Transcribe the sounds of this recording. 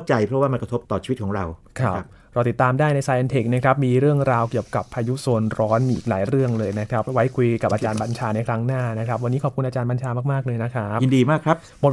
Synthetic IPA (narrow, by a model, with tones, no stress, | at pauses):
t͡ɕa˧jpʰɾɔ˦˥waː˥˩ma˧nkɾa˧t̪ʰo˦˥p̚t̪ɔː˨˩i˧i˦˥kʰɔː˩˦ŋɾa˧wkʰɾa˦˥˩p̚ | ɾa˧wt̪i˨˩t̪ːaː˧mdaː˥˩jna˧jsaː˧ʔa˧nt̪ʰe˨˩k̚na˦˥kʰɾa˦˥p̚miː˧ɾɯ˥˩əŋɾaː˧wki˨˩əw̚ka˨˩pʰːaː˧ju˦˥so˧ənɾɔː˦˥nʔʔḭː˨˩k̚la̰ː˩˦jɾɯ˥˩əŋlɤː˧jna˦˥kʰɾa˦˥p̚wa˦˥jkʰu˧jka˨˩p̚ʔaː˧t͡ɕaː˧nba˧nt͡ɕʰaː˧na˧jkʰɾa˦˥ŋnaː˥˩na˦˥kʰɾa˦˥p̚wa˧niː˦˥kʰɔ˨˩pkʰu˧nʔaː˧t͡ɕaː˧nba˧nt͡ɕʰaː˧maː˥˩k̚maː˥˩k̚lɤː˧jna˦˥kʰa˦˥p̚i˧ndiː˧maː˥˩kʰɾa˦˥p̚mo˨˩t